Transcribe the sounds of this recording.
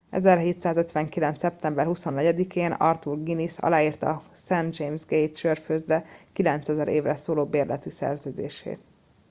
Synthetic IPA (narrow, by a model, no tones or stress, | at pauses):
ɛ̰zɛrɦeːt̪saːzøt̪ʋɛŋkilɛnt̪sɛp̚t̪ɛmbɛrhuso̞nːɛɟɛd̪ikʰeːnɒ̰rt̪urɡinisɒ̰laːiːrt̪ɒ̰sɛnd̪d͡ʒejmzɡejt̪ʃørføzbɛkilɛnt̪sɛzɛɾʔeːvrɛsoːloːbeːrlɛt̪isɛ̰rzøːd̪ḛːʃḛːt̪